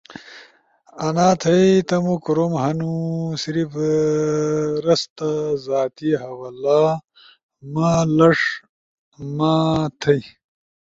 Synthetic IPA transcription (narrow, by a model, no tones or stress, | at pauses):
ɐnaːt̪ʰɐjt̪ɐmukɾomɦɐnusiɾif | ɾɐst̪ɐzaːt̪iɦɐwɐla | malɐʂ | maːt̪ʰɐj